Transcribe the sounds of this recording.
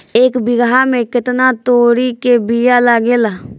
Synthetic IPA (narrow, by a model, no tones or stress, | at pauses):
eːkbɪɡɦaːmẽːkɪt̪naːt̪oːɾiːkeːbijaːlaːɡeːlaː